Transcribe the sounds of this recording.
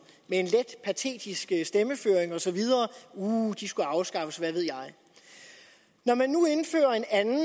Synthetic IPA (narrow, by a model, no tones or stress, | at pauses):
mee̝nled̥pʰæt͡sʰe̝̰ːd̥isɡ̥əsd̥eməfø̰ːeŋɒ̽sɒ̽ʋið̞ˠɐːuːd̥isɡ̥uɑ̈ʊsɡ̥ɑ̈fəsʋæʋe̝ð̞̰ˠjɑ̈ɪ | nɒmænːue̝nfø̰ːɐe̝nænn̩